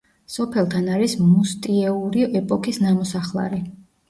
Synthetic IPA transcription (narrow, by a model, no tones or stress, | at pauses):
sɔpʰɛlˠt̪ʰanaɾismust̪ʼiɛuɾiɛpʼɔkʰisnamɔsaχlˠa̰ɾi